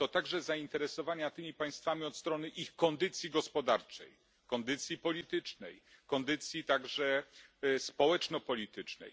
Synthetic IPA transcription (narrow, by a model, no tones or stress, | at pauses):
t̪ɔt̪aɡʐɛzaint̪ɛɾɛsɔvaɲat̪ɘmʲipaj̃st̪famʲiɔt̪st̪ɾɔnɘʔixkɔnd̪ɘt̪sʲjiɡɔspɔd̪aɾt͡ʂɛ̰j | kɔnd̪ɘt̪sʲjipɔlʲit̪ɘt͡ʂnɛjkɔnd̪ɘt̪sʲjit̪aɡʐɛ | spɔwɛt͡ʂnɔpɔlʲit̪ɘt͡ʂnɛ̰j